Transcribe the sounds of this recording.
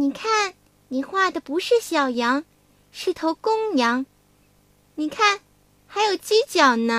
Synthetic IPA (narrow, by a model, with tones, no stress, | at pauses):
ni˨˩kʰa˥˩n | ni˨˩xwa˥˩d̪ə˩pu˧˥ʂɻ̩˥˩ɕjɑ˨˩ʊjɑ˧˥ŋ | ʂɻ̩˥˩t̪ʰo˧˥ʊkʊ˥ŋjɑ˧˥ŋ | ni˨˩kʰa˥˩n | xa˧˥ɪjo˨˩ʊt͡ɕi˥t͡ɕjɑ˨˩ʊnə˦